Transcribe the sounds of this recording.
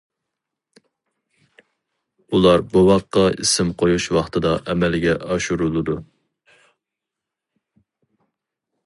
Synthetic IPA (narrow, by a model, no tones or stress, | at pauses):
ulˠɑɾbowɑqːɑḭsɪmqʰojuʃwɑχt̪ʰɨd̪ɑʔɛmɛlɡʲɛʔɑʃuɾulˠɨd̪u